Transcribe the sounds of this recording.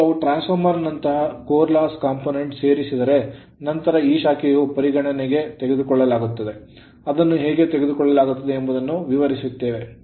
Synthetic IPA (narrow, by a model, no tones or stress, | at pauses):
ɐʋuʈɾaːnsɐɾmɐɾɐnːɐnt̪ɐɦɐkoːɾlaːskaːmpoːne̞ɳʈse̞ːɾisid̪ɐɾe̞ | nɐnt̪ɐɾɐiːʃaːkijupɐɾiɡɐɳɐneɡe̞t̪eɡe̞d̪ukɔɭːɐlaːɡut̪ːɐd̪e̞ | ɐd̪ɐnːuɦeːɡe̞t̪eɡe̞d̪ukɔɭːɐlaːɡut̪ːɐd̪e̞ːmbɐd̪ɐnːuʋiʋɐɾisut̪ːe̞ːʋe̞